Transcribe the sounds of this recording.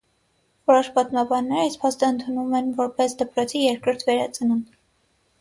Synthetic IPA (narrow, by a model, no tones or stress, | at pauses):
vɔɾɔʃpɑt̪mɑbɑnːɛɾəɑjspʰɑst̪əənt̪ʰunumɛnvɔɾpɛsd̪əpɾɔt͡sʰijɛɾkɾɔɾt̪ʰvɛɾɑt͡sʰənun